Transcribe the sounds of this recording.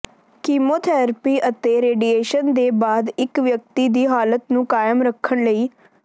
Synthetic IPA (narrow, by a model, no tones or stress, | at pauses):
kiːmoːt̪ʰɛːɾpiːʔət̪eːɾeːɖiːeːʃənd̪eːbaːd̪ɪkʋjək̚t̪iːd̪iːɦaːlət̪nũːkaːjəmɾəkʰːəɳləiː